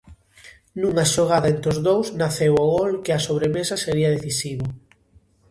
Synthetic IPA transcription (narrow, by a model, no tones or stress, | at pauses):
nuŋɐʃoɣ̞aðaent̪ɾozðowsnaθewoɣolkɪɐsoβ̞ɾemesɐseɾiɐðeθisiβʊ